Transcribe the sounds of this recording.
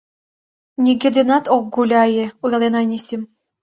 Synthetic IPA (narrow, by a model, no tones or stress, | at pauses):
nʲiɡʲĕd̪enɑt̪ok̚ɡulʲɑjɘ̆ujlˠenɑnʲisʲim